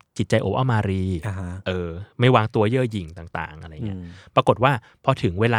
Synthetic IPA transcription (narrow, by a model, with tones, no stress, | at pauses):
t͡ɕi˨˩t̪̚t͡ɕa˧jʔo̰˨˩p̚ʔa̰˥˩mʔaː˧ɾiː˧˦ʔɤː˧ma˥˩jwaː˧ŋt̪u˧ɐjɤː˥˩ji˨˩ŋt̪aː˨˩ŋt̪a̰ː˨˩ŋʔa˧ɾa˧jŋ˦˥ɐpɾa˧ko˨˩t̪̚waː˥˩ | pʰɔ˧t̪ʰɯ˩˦ŋweː˧laː˧